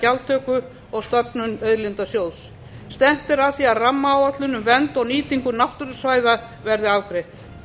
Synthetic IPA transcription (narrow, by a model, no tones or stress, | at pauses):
alt̪ʰœkʏ | ɔɣst̪œpnʏnœðɾlɪnt̪asjoːw̪s | st̪ɛm̥t̪ɪɾaðθiaðramːaːwat̪lʏnʏmvɛnt̪ɔwniːt̪iŋkʏnaht̪ʏɾʏsvaːjða | vɛɾðɪavkɾejht̪